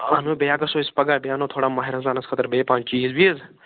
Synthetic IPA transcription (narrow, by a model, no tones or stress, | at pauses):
ɐnũbejaːkɐsoːɪspɐɡaːbejaːnoːt̪ʰoːɽaːmaːɦiɾazaːnɐskʰət̪əɾbeːpãːnt͡ʃiːzbiz